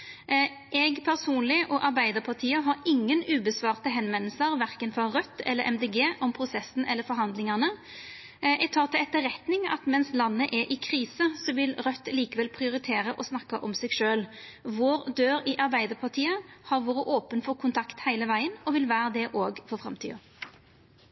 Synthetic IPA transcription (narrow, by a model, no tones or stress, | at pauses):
ʔɛɡpʰæʁsuːnlɪʔɔʔɑɾbæɪd̪əpʰɑʁt̪ʰiːəɦɑɾɪŋːənʉːbəsʋɑːʁt̪əɦɛnʋɛnl̩səɾʋæʁkənfɔɾʁœt̪ːɛ̰lːəɾʔɛ̰md̪eːɡeːʔɔmpʰɾʊsɛsn̩ʔɛlːəɾfɔɾɦɑnd̪lɪŋɑʁnə | ɛɡ̚t̪ʰɑːʁt̪ʰɪɛt̪ːəɾɛt̪nɪŋɑ̰t̪mɛnslɑnːəʔɛɾʔɪkʰɾiːsəsɔʋɪlʁœt̪ːliːkəʋɛlpʰʁɪʊɾɪt̪ʰeːɾəʔɔsnɑkːəʔɔmsɛːɡʂøːlʋoːɾd̪øːɾɪʔɑɾbæɪd̪əʁpʰɑʁt̪ʰiːəhɑɾʋoːɾəʔoːpənfɔʁkʰʊnt̪ʰɑkt̪hæɪləʋæɪənɔʋɪlʋæːɾəd̪ɛʔoːɡfɔfɾɑ̰mt̪ʰḭːɑ